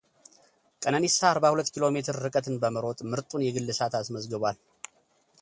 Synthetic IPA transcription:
kʼənənisaːɾβahulət̪ːkʰilo̞me̞t̪ʰɨɾːɨkʼət̪ɨnbəməɾo̞t̪ʼmɨɾt̪ʼunjɛɡɨlːɨsat̪asməzɡɨβʷal

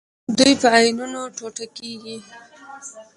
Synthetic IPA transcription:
d̪ujpəajnunoʈoʈakeɡi

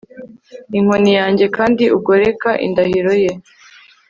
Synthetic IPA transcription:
iŋ̥onijaːɲɟe̞kaːndiub̚ɡo̞ɾe̞kaʔḭndahiɾo̞je

